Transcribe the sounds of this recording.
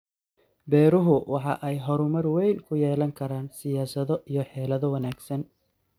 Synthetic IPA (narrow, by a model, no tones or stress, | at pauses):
bɛːɾʊɦʊwɑħɑ̰ʔɛjɦɔɾʊmɐrwɛjnkʰʊjɛːlɐŋkʰɐɾaːnsɪjaːsɐðɔʔijɞħɛːlɐðɔwɐnaːɡsɐn